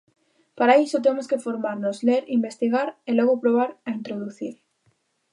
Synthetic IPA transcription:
paɾaisot̪̬emoskefoɾmaɾnozleɾimbest̪iɣaɾeloɣopɾoβ̞aɾaint̪ɾoðuθiɾ

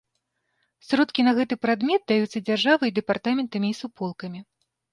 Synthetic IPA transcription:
sɾɔt̪kʲinɐɣɛt̪ɨpɾad̪mʲɛt̪̚d̪ajut̪sːɐd͡zʲarʐavɨjid̪ɨpart̪amʲɛnt̪ɐmʲiːsupɔlˠkɐmʲi

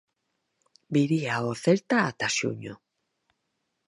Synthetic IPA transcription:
biɾiaoθelt̪aːt̪asjṵɲo

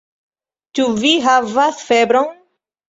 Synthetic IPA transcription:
t͡ʃuviɦavasfebɾon

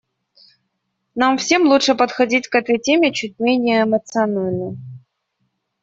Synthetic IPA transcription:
namfsʲe̞mlˠuʂɨpət̪xɐdʲitʲkɛt̪əjtʲemʲɪt͡ɕut̚ʲmʲenʲɪjəːmət̪sɨɐnalʲnə

